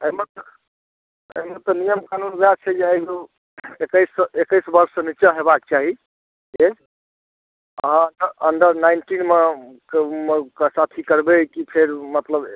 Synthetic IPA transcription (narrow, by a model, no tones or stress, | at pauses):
emet̪ɔ | ə̰met̪ɔnijəmkanunɡat͡ʃʰɛjeeɡo | ekəjsekəjsbəɾsːə̃nit͡ʃaɦebak̚t͡ʃaɦi | e | əɦə̃ənɖəɾənɳɖəɾnaɪnʈinmekmeksat̪ʰikəɾbekipʰeɾmət̪ləb